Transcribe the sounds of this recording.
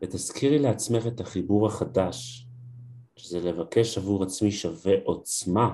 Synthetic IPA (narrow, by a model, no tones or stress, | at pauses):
vet̪askʰiʁileat͡sme̞χe̞t̪aχibuʁaχadaʃ | ʃezelevake̞ʃavuʁat͡smiʃaveʔo̞t͡sma